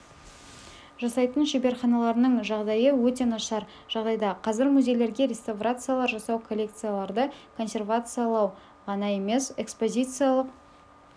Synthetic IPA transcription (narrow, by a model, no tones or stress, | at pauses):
ʒɑsɑjt̪ənʃebe̞ɾχɑnɑlˠɑɾənəɴʒɑʁd̪ɑjəwɵt̪̬e̞nɑʃɑɾ | ʒ̥ɑʁd̪ɑjd̪ɑqʰɑzɪɾmuzʲejle̞ɾɡʲe̞ɾʲe̞st̪avrat̪sɨjalˠɑɾʒɑsɑwkʰolʲːe̞kt̪sɨjalˠɑɾd̪əkʰo̞nsʲe̞rvat̪sɨjalˠɑw | ʁɑnɑje̞me̞se̞kspo̞zʲit̪sɨjalˠəq̚